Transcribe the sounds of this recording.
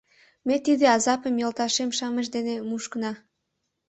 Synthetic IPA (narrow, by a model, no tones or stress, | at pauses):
met̪id̪eɑzɑpəmjɤlt̪ɑʃemʃɑməʃ̬d̪enemuʃkənɑ